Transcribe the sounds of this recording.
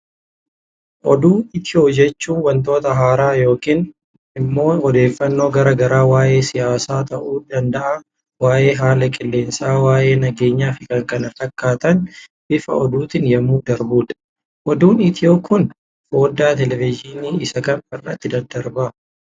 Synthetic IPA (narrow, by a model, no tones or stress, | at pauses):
ʔɔd̪uːɪt̪ʰɪoːd͡ʒɛt͡ʃːuːnwɐnt̪̬o̞ːt̪ɐɦaːɾaːjo̞ːkiːn | ɪmːo̞ːɔd̪e̞ːfːɐnːo̞ːɡɐɾɐɡɐɾaːwaːje̞ːsɪjaːsaːt̪ɐʔuːᶑɐnd̪ɐʔa | waːʔe̞ːɦaːlɐkʼɪlːe̞ːnsaːwaːje̞ːnɐɡe̞ːɲːaːfɪkɐŋkɐnɐt̪ːɐkːaːt̪ɐnbɪfɐ̰ɔd̪uːt̪ɪnjɐmuːd̪ɐɾbuːd̪ɐ̥ | ʔɔd̪uːnɪt̪ʰɪoːkʰʊn | bo̞ːd̪ːaːt̪ɛlɛvɪd͡ʒɪniːɪsɐkɐnɐrːɐ̰t̪ːɪd̪ɐɾd̪ɐɾbɐ